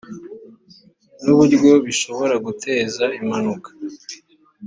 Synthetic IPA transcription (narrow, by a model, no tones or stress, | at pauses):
nuβuɾɡo̞βiʃo̞βo̞ɾaɡutʰe̞ːzaimhanukḁ